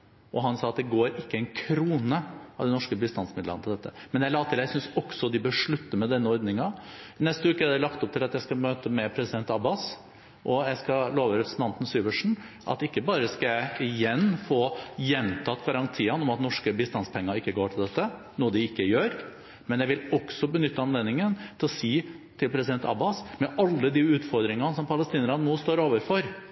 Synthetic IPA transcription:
ʔɔɦɑnsɑːɑt̪̚d̪ɛɡoːɾɪkːəɛɪnkʰɾuːnəɑ̰ʋd̪ɛnɔʂkəbɪst̪ɑnsmɪd̪lə̰nt̪ʰɪld̪ɛt̪ːəmɛnjæɪlɑːt̪ʰɪljæsʏnsɔksɔd̪ɪbəʂɭʉt̪ːəɾmɛd̪ɛnːəɔɾd̪nɪŋɑnɛst̪əʉːkəɾd̪ɛlɑkt̪ɔp̚t̪ʰɪlɑt̪jæɪskɑmøːt̪əmɛpʰɾɛsɪd̪ɛnt̪ɑbɑs | ʔɔjæɪskɑloːʋəɾɛpɾəsnɑnt̪n̩syːʋəʂɳ̩ | ʔɑ̰t̪ɪkːəbɑːɾəskɑjæɪɪjɛnːfoːjɛnt̪ʰɑːt̪ɡɑɾɑŋt̪ʰiːənɔmɑt̪nɔʂkəbɪst̪ɑnspʰɛŋːəɾɪkːəɡoːʈʰɪld̪ɛt̪ːə | nuːəd̪ɪɪkːəjøːɾ | mɛnjæɪʋɪlɔksɔbənʏt̪ːəɑnleːd̪nɪŋənt̪ʰɪlɔsiː | t̪ʰɪlpʰɾɛsɪd̪ɛnt̪ʰɑ̰bɑsmɛʔɑlːəd̪iːʉːt̪fɔɾd̪ɾɪŋɑnəsɔmpʰɑləst̪iːnəɾɑnnuːst̪oːɾoːʋəɾfɔɾ

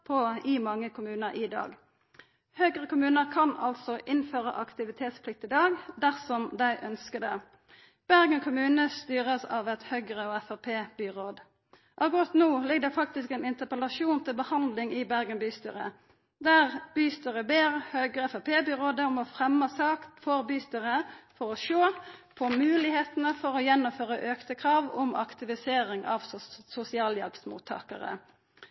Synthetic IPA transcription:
pʰɔɪmɑŋːəkʰʊmʉːnəʔɪd̪ɑ̰ːɡ | høːɡʁəkʊmʉːnəkʰɑnɑ̰lt̪sɔʔɪnføːʁə̰ʔɑkt̪ɪʋɪt̪ʰeːt̪spʰlɪk̚t̪ɪd̪ɑːɡd̪æʁsɔmd̪æɪʔœnskəd̪ɛ | b̥æʁɡənkʰʊmʉːnəst̪yːʁəsɑʋɛt̪hœʏɡʁəɔɛfɑpʰeːbyːʁoːd̪ | ʔɑʋkʁɑt̪nuːlɪɡ̚d̪ɛfɑk̚t̪ɪskɛnɪnt̪əpəlɑʃuːnt̪ʰɪlbəhɑnd̪lɪŋɪbæʁɡənbyːst̪y̰ːɾə̰ | d̪æʁb̥yːst̪əʁəbeːʁhœʏɡʁəɛfɑpʰeːbyːʁoːd̪əʊmɔfʁɛmːəsɑːkt̪fɔʁbyːst̪əʁəfɔʁɔʃoːpʰɔmʉːlɪheːt̪nəfɔʁɔjɛnːʊmføːʁəʔøːkt̪əkʰʁɑːʋɔmʔɑ̰kt̪ɪʋɪseːʁɪŋʔɑ̰ʋsʊsɪɑːljɛ̰lpsmṵːt̪ʰːɑ̰ːkə̰ʁə̰

